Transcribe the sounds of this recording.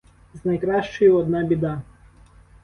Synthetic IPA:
znɐjkɾɑʃt͡ʃɔjʊɔd̪nɑbʲid̪ɑ

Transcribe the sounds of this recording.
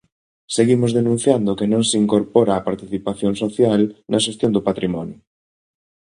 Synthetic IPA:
seɣimozðenũn̟θjand̪ʊkenõŋsiŋkoɾpɔɾaːpaɾt̪iθipaθjoŋsoθjalnɐʃ̬est̪jond̪opat̪ɾimɔnjʊ

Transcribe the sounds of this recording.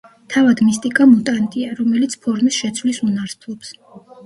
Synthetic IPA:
t̪ʰavad̪mist̪ʼikʼamut̪ʼant̪ʼiaɾɔmɛlit̪sʰpʰɔɾmisʃɛt̪sʰvlisunaɾst̪ʰlˠɔps

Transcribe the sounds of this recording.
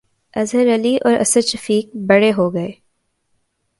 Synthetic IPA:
ɐzɦəɾɐliʔɔːɾʔɐ̰səɾʃɐfiːk̚bɐɽeɦoɡɐeː

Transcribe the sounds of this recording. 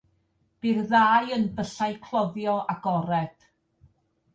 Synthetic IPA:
b̥irðaːjənbəɬajkʰl̥ˠɔðjɔʔaɡɔɾɛd̥

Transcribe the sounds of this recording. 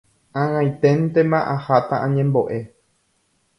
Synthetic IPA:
ãŋãj̃t̪ẽnt̪emãʔahat̪aʔãɲẽmbo̞ʔe̞

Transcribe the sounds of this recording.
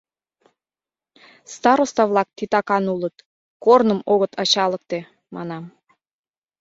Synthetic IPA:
st̪ɑɾost̪ɑβlɑk̚t̪it̪ɑkɑnulət̪̚ | kornəmoɣət̪ʰɑt͡ɕɑlək̚t̪e | mʔɑ̰nɑm

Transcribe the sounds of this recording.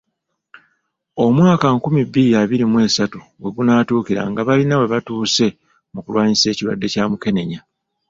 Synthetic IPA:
o̞mwaːkaŋkumibːiɾijaβiɾimwe̞ːsatuwe̞ɡunatuːkiɾa̰ŋɡaβalinawe̞βatuːse̞ | mukṵlwaːɲise̞ːciɾwa̰dːe̞caːmuke̞ne̞ɲa

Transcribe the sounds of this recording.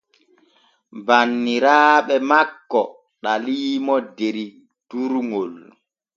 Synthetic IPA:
banːiɾaːɓɛmakːɔ | ɗaliːmɔdeɾi | d̥uɾŋol

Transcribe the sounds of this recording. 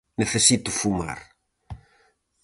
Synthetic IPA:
neθesit̪ufuma̰ɾ

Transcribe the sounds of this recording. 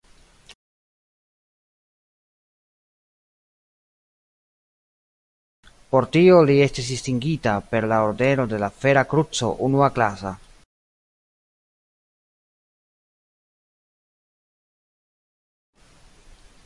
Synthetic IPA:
po̞ɾtio̞lie̞stisdistiŋɡitape̞ɾlaoɾde̞no̞de̞lafe̞ɾakɾut͡so̞̰ʔunuaklasa̰

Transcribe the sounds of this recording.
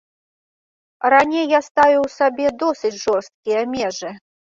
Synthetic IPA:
ɾanʲejːast̪avʲuwsabʲɛd̪ɔsɨt͡sʲʐɔrst̪̚kʲijɐmʲɛʐɨ

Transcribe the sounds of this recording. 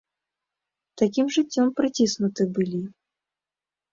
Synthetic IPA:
t̪akʲimʐɨt͡sʲːɔmpɾɨt͡sʲisnut̪ɨbɨlʲi

